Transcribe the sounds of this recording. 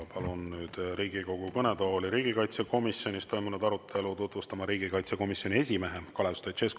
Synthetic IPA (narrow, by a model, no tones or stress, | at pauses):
pɑlunːyːd̪̥ɾiːɡ̥iko̞ɡ̥ukɤne̞d̪olʲiɾiːɡ̥ikɑjt̪seko̞misjo̞nʲist̪o̞jmunud̪ɑɾut̪ʰːˑe̞lut̪ut̪vust̪ɑmɑɾiːɡikɑjt̪seko̞misjo̞nʲie̞sʲime̞ɦe̞kɑle̞st̪ojt̪t͡ʃesk